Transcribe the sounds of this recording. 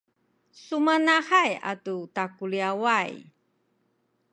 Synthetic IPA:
sumanahaja̰tutakuliawaj

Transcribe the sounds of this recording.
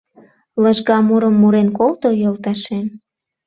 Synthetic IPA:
ləʒɣɑmuɾəmːuɾenkolt̪ojolt̪ɑʃen

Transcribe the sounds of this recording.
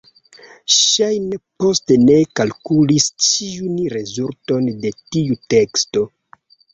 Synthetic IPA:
ʃajnepo̞stene̞kalkulist͡ʃiunɾe̞zulto̞nde̞tiute̞ksto̞

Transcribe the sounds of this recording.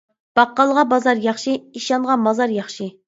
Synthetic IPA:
b̥ɑqːɑlˠʁɑbɑzɑɾjɑχʃiiʃɑnʁɑmɑzɑɾjɑχʃi

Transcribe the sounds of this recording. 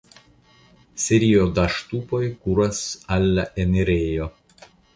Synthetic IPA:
sʲɛɾʲijod̪ɐʃt̪uːpɔjkuːɾɐsɐlʲːɐʔɛnʲɛɾʲeːjo

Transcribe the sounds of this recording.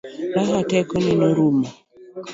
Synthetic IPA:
ɾaɦatɛkɔnɛnoɾuma

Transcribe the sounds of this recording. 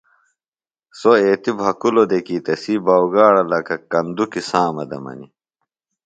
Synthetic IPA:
soeːt̪ibɦɐkulod̪ekiːt̪ɐsiːbaːwɡaːɽɐlɐkɐkɐnd̪ukisaːmɐ̰d̪ɐ̰mɐ̰nḭ

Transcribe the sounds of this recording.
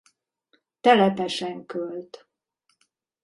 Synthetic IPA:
t̪ɛlɛp̪ɛʃɛŋkølt̪

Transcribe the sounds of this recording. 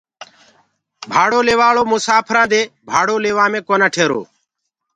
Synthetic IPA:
bʱaːɽoːleːʋaːɭoːmʊsaːpʰɾãːd̪eːbʱaːɽoːleːʋãːmẽːkoːnaːʈʰeːɾo̰ː

